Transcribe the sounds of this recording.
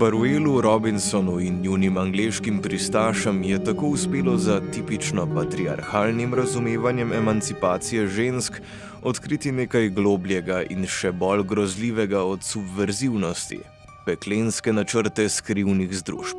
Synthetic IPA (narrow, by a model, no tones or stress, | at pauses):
baɾueːluɾɔbinsɔnuinjunimaŋɡleʃkimpɾist̪aːʃəmjɛt̪akoːuspeːlɔzat̪iːpit͡ʃnɔpat̪ɾia̰ɾxaːlnimɾazumeːʋanjɛmɛmant̪sipaːt̪sijɛʒensk | ɔt̪kɾiːt̪ineːkajɡloːbljɛɡaʔḭnʃɛbɔlɡɾɔzliːʋɛɡaɔt̪subʋɛɾziwnɔst̪ḭ | pɛklenskɛnat͡ʃəɾt̪ɛskɾiwniɣzd̪ɾṵːʃp